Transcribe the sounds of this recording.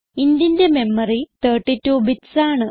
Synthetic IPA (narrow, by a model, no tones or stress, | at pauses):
ind̪jinde̞me̞mːɐrit̪əːʈːitːuːbitsaːɳɨ